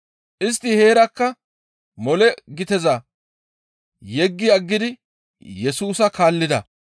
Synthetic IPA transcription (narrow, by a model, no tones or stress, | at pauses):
ʔɪs̬t̪ːɪhe̞ːɾɐkːɐ | mɔlɛɡɪt̪ɛzɐ | jɛɡːɪɐɡːɪd̪ɪ | jɛsuːsɐkaːlːɪd̪ɐ̰